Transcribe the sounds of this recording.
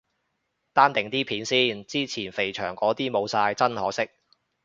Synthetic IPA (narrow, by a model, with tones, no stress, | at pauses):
t̪aː˥nt̪ɪ˨˩ŋt̪iː˥pʰiː˨˥nsiː˥nt͡siː˥t͡sʰiː˨˩nfe˨˩jt͡ʃʰœ̰ː˨˩ŋkɔː˨˥t̪iː˥mo˨˧wsaː˧jt͡sɐ˥nhɔː˨˥sɪ˥k̚